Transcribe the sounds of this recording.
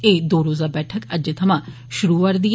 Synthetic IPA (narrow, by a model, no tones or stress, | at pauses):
eːd̪oːɾoːzaːbɛːʈʰəkəd͡ʒeːt̪ʰəmãː | ʃʊɾuːʋəɾd̪ij